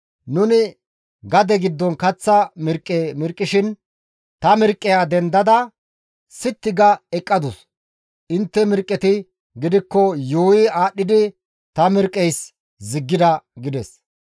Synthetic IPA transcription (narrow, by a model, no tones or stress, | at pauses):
nʊnɪ | ɡɐd̪ɛɡɪd̪ːɔnkɐt͡sːɐmɪɾkʼːɛmɪɾkʼːɪʃɪn | t̪ɐmɪɾkʼːɪjaːd̪ɛnd̪ɐd̪ɐ | sɪt̪ːɪɡɐɛkʼːɐd̪ɔs | ʔɪnt̪ːɛmɪɾkʼːɛt̪ɪ | ɡɪd̪ɪkːɔjoːjɪaːɗːɪd̪ɪ | t̪ɐmɪɾkʼːɛjs | zɪɡːɪd̪ɐɡɪd̪ɛs